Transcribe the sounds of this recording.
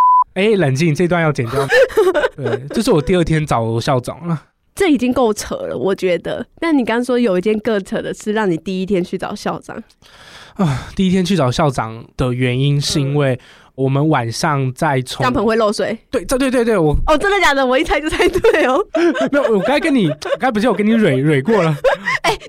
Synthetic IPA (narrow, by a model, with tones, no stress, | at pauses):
e˥˩ɪlə˨˩nt͡ɕi˥˧ŋʈ͡ʂɤ˥˧i˧t̪wa˥˧njɑ˥˩ʊt͡ɕjɛ˨˩njɑ˥˩t̪we˥˩ɪt͡ɕjo˥˧ʊʂ̬ɻ̩˥˩wɔ˨˩t̪i˥˧ə˥˩t̪ʰjɛ˥˦nt͡sɑ˨˩˦ʊɕjɑ˥˩ʊʈ͡ʂɑ̰˨˩˦ŋə˦ | ʈ͡ʂɤ˥˩i˨˩t͡ɕi˦ŋko˥˩ʊt͡sʰə̰˧˥lə̰˦wʔɔ˨˩t͡ɕɥɛ˨˧˥d̪ə̰˧t̪ʂ̩˥˩ni˨˩kɑ˥ŋɑ˥ŋswɔ˥jo˨˩ʊi˧˥t͡ɕjɛ˥˧nkɤ˥˧t͡sʰə˧˥d̪ə˨ʂɻ̩˥˧ɻɑ˥˩ŋni˨˩t̪i˥˩i˦˥t̪ʰjɛ˥nt͡ɕʰy˥˩t͡sɑ̰˨˩ʊɕjɑ˥˩ʊʈ͡ʂɑ̰˨˩ŋ | ə˥˨t̪i˥˩i˥t̪ʰjɛ˥nt͡ɕʰy˥˩t͡sɑ˨˩ʊɕjɑ˥˩ʊʈ͡ʂɑ̰˨˩ŋd̪̥ə˨ɥɛ˧˦ni˦˥nʂɻ̩˥˧i˦˥nwe˥˩ɪ | wɔ˨˩mə˦nwa˨˩nʂɑ˥˨ŋt͡sa˥˩ɪt͡sʰo˧˦ɑ˦ŋpʰə˧˥ŋxwe˥˧ɪlo˥˧ʊswe˥˩ɪwe˥˩t̪wt̪we˥˧t̪wtwe˥˩ɪwɔ˨˩ɔ˨˩ʈ͡ʂə˥nd̪ə˨˩t͡ɕja˨˩d̪ə˨wɔ˨i˥t͡s̪ʰa˥˧ɪt͡ɕ̩˥˧t̪ʰa˥˧ɪt̪ʰwe˥˩ɪɔ˨˩me˧˥˨wɔ˨˩kɪkə˦ni˨˩˨kɪp̬t͡ɕʰwɔ˨˩kə˥ni˨˥ɻwe˨˩ɪɻwe˨˩ɪkwɔ˥˩lə˩e˥˩ɪ